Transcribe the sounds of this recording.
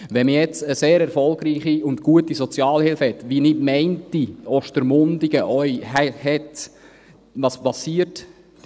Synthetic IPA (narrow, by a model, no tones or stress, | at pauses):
ʋɛmijɛt͡səseːɾɛɾfɔlˠɡɾiːχiʊntɡ̥uətisɔt͡sjɑːlhɪlfhɛtʋinɪdmɛɪntiɔʃtəɾmʊndiɡ̥əʔœʏhɛhɛt | ʋɑspɑsiət